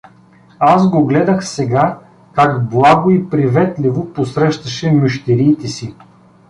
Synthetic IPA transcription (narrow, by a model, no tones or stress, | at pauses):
azɡoɡlɛd̪əxsɛɡa | kakblˠaɡʊipɾivɛt̪lʲivoposɾɛʃt̪ɐʃɛmʊʃt̪ɛɾiːt̪ɛsi